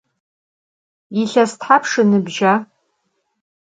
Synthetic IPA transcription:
iɬastħapʰʂɨnɨbʒa

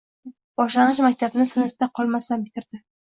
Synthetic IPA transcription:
b̥ɒʃlanɨʃ̬mak̚ʲt̪ʰabnɪsɪnɪt̪aqʰɒlˠmast̪anbɪt̪ʰɪɾd̪ɪ

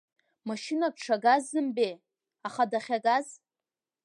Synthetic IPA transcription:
maʃɪnakʷʈ͡ʂʰaɡazːɨmbej | aχadaχʲaɡaz

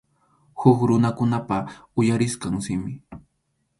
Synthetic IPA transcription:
xʊkɾʊnakʊnapaʊjaɾɪskaŋsɪmɪ

